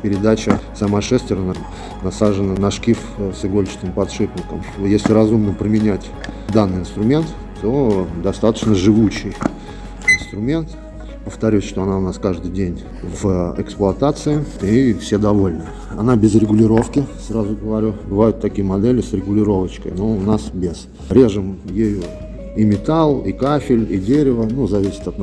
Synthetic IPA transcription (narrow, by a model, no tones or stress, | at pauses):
pʲɪɾʲɪd̪at͡ɕəsɐmaʂɛsʲt̪vʲɪɾnə | nɐsaʐɨnənɐʂkʲifsɨɡolʲɪt͡ɕɪ̥snʲɪmpɐt̪ʂɨpnʲɪkəmjesʲlʲɪɾɐzumnəpɾəmʲɪnʲætʲ | d̪anːɨjɪnst̪ɾʊmʲe̞nt̪ | t̪ːo̞d̪ɐst̪at̪ə̥t͡ɕnəʐɨvuɕːɪj | ɪnst̪ɾʊmʲe̞nt̪ | pəft̪ɐɾʲusʲʂt̪oɐnaʊnaskaʐd̪ɨjdʲenʲ | vɛksplˠʊɐt̪at̪sɨɪifsʲed̪ɐvo̞lʲnɨ | ɐnabʲɪzɾʲɪɡʊlʲɪɾo̞fkʲɪsrazʊɡəvɐɾʲubɨvajʊt̪ːɐkʲijəmɐd̪elʲɪsɾʲɪɡʊlʲɪɾo̞vət͡ɕkə̰jnoʊnasbʲɪz | ɾʲe̞ʐɨmjejo | imʲɪt̪alˠikafʲɪlʲidʲeɾʲɪvənuzɐvʲisʲɪ̥t̪ɐt̪n